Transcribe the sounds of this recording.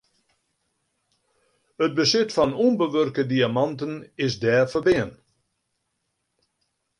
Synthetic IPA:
ət̚bəsɪtfɔnumbəʋørkədiamɑntənɪsdɛːfərbɪən

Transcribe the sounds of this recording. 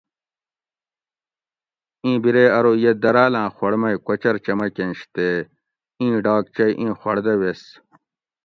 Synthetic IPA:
ĩːbiɾeːɐɾoːjed̪ɐɾaːlãːxɐɽmɐjkʷɐt͡ɕɐɾt͡ɕɐmɐkenɕt̪eː | ĩːɖaːk̚t͡ɕɐjʔĩːxwɐɽd̪ɐwes

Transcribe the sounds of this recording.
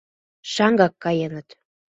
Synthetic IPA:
ʃɑŋɡɑkːɑjenə̆t̪

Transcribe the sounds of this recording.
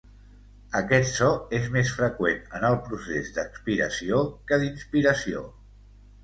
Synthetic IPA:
əkɛt̪sɔezmesfɾəkwenənəlˠpɾusezd̪əkspiɾə̰siokəðinspiɾəsio̰

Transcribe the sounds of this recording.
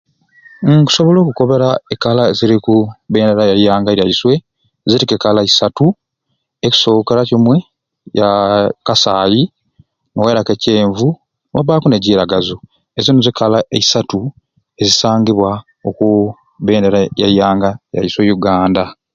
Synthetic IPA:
ŋku̥so̞βo̞lo̞ːkuko̞βe̞ɾaekalaeziɾikuβeːndeɾajajaːŋɡaejajiswe̞ | zitikekalaisatu | eci̥so̞kiɾacimwe̞ | jakasaːji | noweɾakece̞ːɱvu | wa̰βaːkuneɟiːɾaɡazu | ezinozikalaeisatu | e̞zisaːŋɡiβwa | oku | βeːndeɾajajːaːŋɡaeja̰jiswe̞juɡaːnda

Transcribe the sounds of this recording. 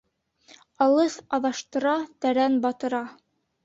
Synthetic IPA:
ɑlˠɤsɑðɑʃt̪ɤ̆ɾɑt̪æɾænbɑt̪ɤ̆ɾɑ

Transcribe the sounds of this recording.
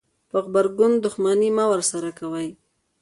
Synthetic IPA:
pəxbaɾɡʊnd̪ʊxmanimawəɾsaɾakawaj

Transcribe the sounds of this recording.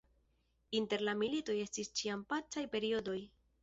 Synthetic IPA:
inte̞ɾlamilito̞je̞stist͡ʃiampat͡sajpe̞ɾio̞do̞j

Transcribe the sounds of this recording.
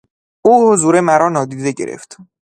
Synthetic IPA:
ʔuːhozuːɾemæɾɒːnɒːd̪iːd̪e̞ɟe̞̰ɾḛft̪

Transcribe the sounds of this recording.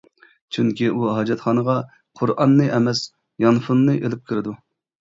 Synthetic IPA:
t͡ʃʰyŋkʲiʔuɦɑd͡ʒɛt̪χɑːnəʁɑ | qʰʊɾʔɑnːɨʔɛmɛs | jɑnfunːɨʔelɪp̚kʲʰiɾɪd̪u

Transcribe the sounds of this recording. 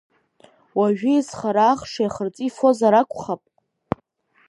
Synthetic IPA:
waʒᶣɪizχaɾaːχʂajaχərt͡sʼifo̞zaɾakʷʰʼχapʼ

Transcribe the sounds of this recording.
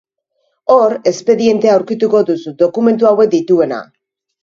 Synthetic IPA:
o̞ɾe̞spe̞ðie̞nt̪eauwɾkit̪uko̞ðusud̪o̞kume̞nt̪̬uawe̞k̚d̪it̪ue̞na̰

